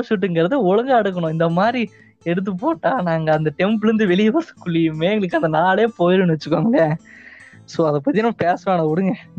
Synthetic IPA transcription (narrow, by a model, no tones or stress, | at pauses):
sʊʈ̬ːɯŋɡɪɾɐðɯɔɻɐŋɡaɐɽɯk̬ːɐɳʊ̃ɪnd̪ɐmaːd̪ɾi | ɛɽɯt̪̬ːɯpoːʈːãːnaːŋɡɐːnd̪ɐʈɛmpɪɾɯnd̪ɯʋɛɭɪjɐʋɐsɯ̥kːʊɭːɪjɯmeːɛŋɡɐɭɯkːɐnd̪ɐnaːɭeːpoːjɪɾɯnʋɐt͡ʃːɯkːaːŋɡlɐ | soːɐðɐpːɐt̪ːinãːpeːsʋaːnɐʊɽɯŋɡɛ̃